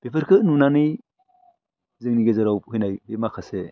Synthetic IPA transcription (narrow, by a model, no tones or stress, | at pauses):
b̥epʰɯɾkʰɯnunanɯj | zɯŋniɡezɯɾawhɯjnajbemakʰase